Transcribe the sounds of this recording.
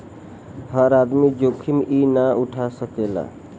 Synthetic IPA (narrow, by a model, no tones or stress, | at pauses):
həɾad̪mid͡ʒokʰimʔinauʈʰasəkela̰